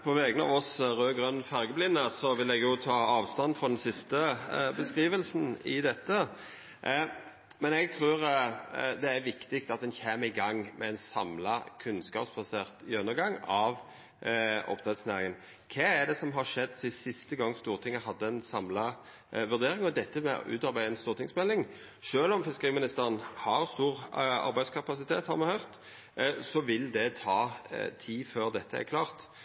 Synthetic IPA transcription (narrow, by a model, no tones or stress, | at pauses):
pʰɔʋɛːɡənɑ̰ːʋɔsɾøːɡʁœnːfæʁɡəblɪnːəsɔʋɪlɛɡjʊt̪ʰɑːɑːʋst̪ɑnfʁɔd̪ɛnsɪst̪əbəskʁiːʋəlsn̩ɪd̪ɛt̪ːə | mɛnɛɡ̚t̪ʰɾʉːɾ | d̪ɛæɾʋɪkt̪ɪkt̪ɑt̪̚d̪ɛnçeːməɪɡɑŋːmʔɛɛnsɑ̰mlɑkʰʉnskɑ̰ːpsbɑseːʁt̪ɪœnːəɾɡɑŋːɑʋ | ʔɔ̰pt̪ʰɛt̪snæːʁɪŋən | kʰɛːæd̪ɛsɔmɦɑɾʂɛd̪ːsɪsɪst̪əɡɑŋːst̪uːʁt̪ʰɪŋːəɦɑd̪ːəɛnsɑmlɑ | ʋʉʁd̪eːɾɪŋɔd̪ɛt̪ːəmɛ̰ʉ̰ːt̪ɑɾbæɪɛnst̪uːʁt̪ɪŋsmɛlɪŋ | ʂøːlɔmfɪskəʁiːmɪnɪst̪əɾʁənhɑɾst̪uːʁɑ̰ɾbæɪd̪skʰɑpɑsɪt̪ʰeːt̪hɑ̰ɾmɑhœːʁt̪ | sɔʋɪld̪ɛt̪ʰɑːt̪ʰiːføːʁd̪ɛt̪ʰːəæ̰ɾkʰlɑːʁt̪